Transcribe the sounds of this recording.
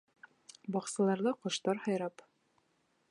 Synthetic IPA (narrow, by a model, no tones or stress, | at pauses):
bɒqsɤ̆lˠɑɾðɤqŏʃt̪ɑɾhɑjɾɑp